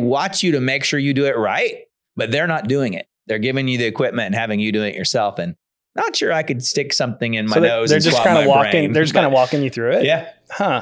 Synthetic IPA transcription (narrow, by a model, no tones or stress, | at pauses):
wɑt͡ʃjɨɾɨmeɪkʃʊɹjɨdɨɪt̚ɹa̰ɪt̚ | b̥ʌt̪̚ðə˞nət̚d̥ʉɪ̃ŋɪ̰t̚ðə˞ɡɪvɪ̃ŋjɨðiɨkʰw̥ɪp̚mɨ̃ntɨ̃n̩hævɪ̃ŋjɨdʉɪ̃ŋɨ̰ʔjə̰˞sɛlˠfɨ̃n | nətʃʊɹaɪkɨdstɪksʌ̃mθɪ̃ŋɨ̃nmaɪðoʊzðə˞d͡ʒʌswʰɑãɪ̃ndəwɔẽɪ̃ŋnðə˞d͡ʒʌskʰãɪ̃ndəwɔkɪ̃ŋjɨθɹʉɪtjæhʌ